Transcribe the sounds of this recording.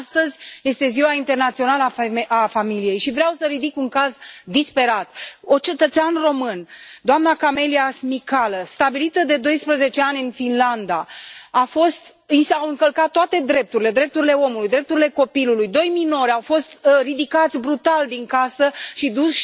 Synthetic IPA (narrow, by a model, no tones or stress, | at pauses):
st̪əzʲje̞st̪e̞ziwaint̪e̞rnat̪sio̞naləaafamilije̞jʃivɾeawsəɾid̪ikuŋkazd̪ispe̞ɾat̪ot͡ʃe̞t̪ət̪seanro̞mɨnd̪oamnakame̞liasmikaləst̪abilit̪əd̪e̞d̪o̞jspɾəze̞t͡ʃe̞anʲɨnfinland̪aafo̞st̪ | isawɨŋkəlkat̪̚ːoat̪e̞d̪ɾe̞p̚t̪uɾile̞d̪ɾe̞p̚t̪uɾile̞o̞mulujd̪ɾe̞p̚t̪uɾile̞ko̞pilulujd̪o̞jmino̞ɾʲawfo̞st̪rid̪ikat̪sʲbɾut̪ald̪iŋkasəʃid̪us